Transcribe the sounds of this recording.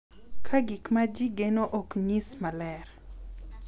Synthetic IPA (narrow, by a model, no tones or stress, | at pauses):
kʰaɡikmad͡ʒiɡenoʔokɲismalɛɾ